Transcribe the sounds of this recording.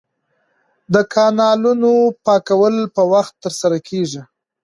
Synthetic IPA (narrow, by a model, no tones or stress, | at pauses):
d̪əkʰɑnɑlunopɑkawəlpəwaxt̪ːəɾsaɾakʰeʒi